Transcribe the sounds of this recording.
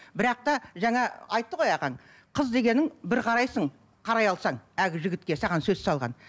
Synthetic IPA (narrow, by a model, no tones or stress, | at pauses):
bɪɾɑq̚t̪ɑʒɑŋɑɑjt̪ːəʁo̞jɑʁɑɴ | qʰəzd̪e̞ɡʲe̞nɪŋbɪɾqʰɑɾɑjsəɴ | qʰɑɾɑjɑlˠsɑɴæɡʲɪʒɪɡʲɪt̪̚kʲe̞sɑʁɑnsɵzsɑlˠʁɑ̰n